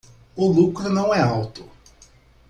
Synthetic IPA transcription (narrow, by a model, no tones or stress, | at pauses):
ʊlukɾʊnɐ̃w̃ɛawt̪ʊ̥